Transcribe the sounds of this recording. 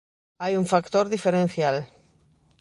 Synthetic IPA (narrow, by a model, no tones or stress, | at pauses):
ajuɱfakt̪oɾðifeɾen̟θjal